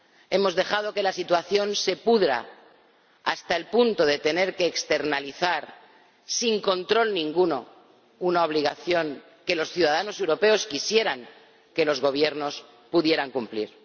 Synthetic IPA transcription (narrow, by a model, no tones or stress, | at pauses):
e̞mo̞zðe̞xað̞o̞ke̞lasit̪waθjo̞nse̞puðɾa̰ | ast̪aelpunt̪o̞ðe̞t̪e̞ne̞ɾke̞ːkst̪e̞ɾnaliθaɾ | siŋko̞nt̪ɾo̞lnĩŋɡuno̞ | unao̞β̞liɣ̞aθjo̞ŋ | ke̞lo̞sθjuðaðano̞se̞wɾo̞pe̞o̞skisje̞ɾaŋ | ke̞lo̞zɣo̞β̞je̞ɾno̞s | puðje̞ɾaŋkumplḭɾ